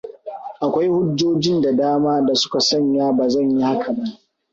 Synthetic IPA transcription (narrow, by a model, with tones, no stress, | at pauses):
ʔa˨kʷa˦jhʊ˦d͡ʒːoː˦d͡ʒɪ˦nda˨daː˦maː˦da˨sʊ̥˦ka˨sɐ˦ɲjaː˦baː˨zɐ˦˨ɲji˦ha˦kʰa˨bɐ˦ŋ